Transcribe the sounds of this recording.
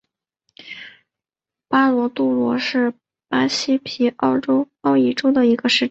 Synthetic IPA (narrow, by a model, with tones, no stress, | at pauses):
pa˥lwɔ˧˥t̪u˥˩lwɔ˧˥ʂɻ̩˥˩ | pa˥ɕi˥pʰi˧˥ʔɑ˥˩ʊʈ͡ʂo˥ʊ | ɑ˥˩ʊi˥˩ʈ͡ʂo˥ʊd̪ə˨i˧˥ɡə˧ʂɻ̩˥˩